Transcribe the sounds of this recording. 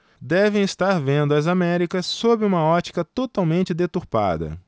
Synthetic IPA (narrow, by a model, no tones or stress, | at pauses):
d̪ɛvẽj̃ɪst̪aɾvẽnd̪ʊɐzamɛɾikɐsːobɪũmɐɔt͡ʃi̥kɐt̪ot̪awmẽnt͡ʃɪd̪et̪uɾpa̰d̪ɐ̰